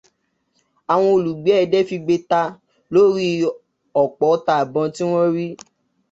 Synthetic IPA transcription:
a˨w̃ɔ̃˧o˨lu˨ɡ͡bɛ˨˦ɛ˦˧dɛ˦fi˧ɡ͡be˧ta˧ | lo˦ɾi˦ | ɔ˨k͡pɔ˨˦ta˧˨a˨bɔ̃˧ti˦w̃ɔ̃˦ɾi˦

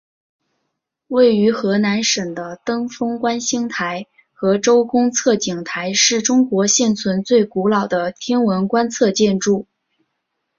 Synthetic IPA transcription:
we˥˩ɪy˧˥xɤ˧˥na˧˥nʂə˨˩ŋd̪ə˦t̪ɤ˥ŋfɤ˥ŋkwa˥nɕi˥ŋt̪ʰa˧˥ɪ | xɤ˧˥ʈ͡ʂo˥ʊkʊ˥ŋt͡sʰɤ˥˩t͡ɕi˨˩ŋt̪ʰa˧˥ɪʂɻ̩˥˩ʈ͡ʂʊ˥ŋkwɔ˧˥ɕjɛ˥˩nt͡sʰwə˧˥nt͡swe˥˩ɪku˧˥lɑ˨˩ʊd̪ə˦t̪ʰjɛ˥nwə˧˥nkwa˥nt͡sʰɤ˥˧t͡ɕjɛ˥˧nʈ͡ʂu˥˩

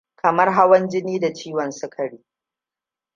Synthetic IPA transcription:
kʰɐ˨mɐ˦rɦa˦wɐ˦nd͡ʒɪ˦niː˦da˨t͡ʃiː˦wɐ˨nsʊ˦kʰɐ˨ɽiː˦

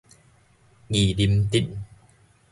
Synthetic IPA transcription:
ŋi˨˩li˧mt̪i˦˨n

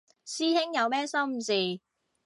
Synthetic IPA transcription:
siː˥hɪ˥ŋjɐ˨˧wmɛː˥sɐ˥wm̩˨˩siː˨˩

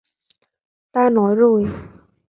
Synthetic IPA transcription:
t̪aː˥˩nɔː˨˦jɾoː˧˩˨j

